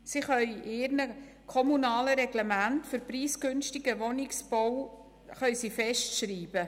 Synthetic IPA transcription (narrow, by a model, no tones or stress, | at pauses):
siχœʏʔɪːɾnə | kʰɔmunɑːləɾɛɡlɛmæntfʏɾpriːskʏnstɪɡ̥əʋɔnɪksb̥ɔw | χœʏsifɛʃtʃriːbə